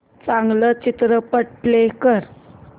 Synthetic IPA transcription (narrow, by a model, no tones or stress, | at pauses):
t͡saŋlət͡ʃit̪ɾəpəʈ̚plekəɾ